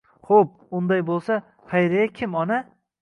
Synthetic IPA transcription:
χop̚ʊnd̪ajbolˠsa | hajɾajakʲʰɪmɒna

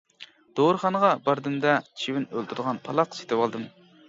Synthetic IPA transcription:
d̪̥oɾχɑnəʁɑbɑɾd̪ɨmd̪ɑt͡ʃʰiwɪnølˠt̪ʰuɾd̪əʁɑnpʰɑlˠɑqse̥t̪ʰɪwɑlˠd̪ɨm

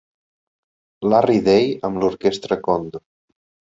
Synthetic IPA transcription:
lariðejəmluɾkest̪ɾəkond̪u

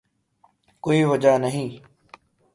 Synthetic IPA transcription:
koːiːʋəd͡ʒaːnəɦĩː

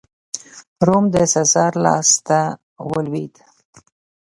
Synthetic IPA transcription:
ɾomd̪əsazɑɾlɑ̰st̪a | wəlwid̪

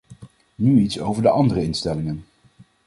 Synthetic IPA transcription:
nyitsowvəɹdəʔɑndərəɪnstɛlɪŋən

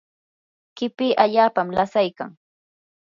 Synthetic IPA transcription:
kɪpɪːʔaʎaːpamlasajka̰ŋ

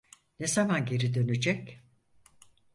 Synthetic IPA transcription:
nezamanɟe̞ɾid̪ø̞nyd͡ʒɛc

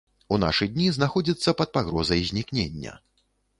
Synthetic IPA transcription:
una̰ʂɨd̪ʲnʲiznaxɔd͡zʲit̪sːɐpɐt̪̚paɣɾɔzɐjzʲnʲiknʲenʲːɐ̰

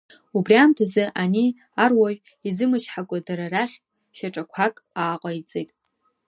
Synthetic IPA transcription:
ubriamtʰazɨʔani | arwaʒᶣʷ | izɨmɨt͡ʃʰħakʷʼadaɾaraχʲ | ʃaʈ͡ʂʼakʷʰakʼaːqʼait͡sʼejtʼ

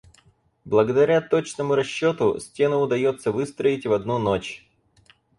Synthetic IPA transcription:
blˠəɡəd̪ɐɾʲat̪o̞t͡ɕnəmʊɾɐɕːo̞t̪ʊsʲtʲe̞nʊʊd̪ɐjo̞t̪səvɨst̪ɾəɪtʲvɐd̪nunot͡ɕ

